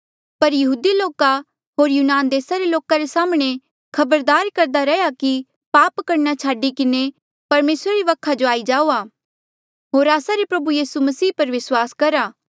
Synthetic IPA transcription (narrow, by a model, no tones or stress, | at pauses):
pɐɾjɐɦuːd̪iloːka | ɦoːɾjuːnaːnd̪eːsaɾeloːkaɾesaːmɽ̃e | kʰɐbəɾd̪aːɾkɐɾd̪aɾɛjaki | paːpkɐɾnat͡ʃʰaːɖikɪne | pɐɾmeːsɾaɾiʋɐkʰːad͡ʒoaːid͡ʒaːoːaː | ɦoːɾaːsaɾepɾɐbujiːsumɐsiːpɐɾʋɪswaːskɐɾaː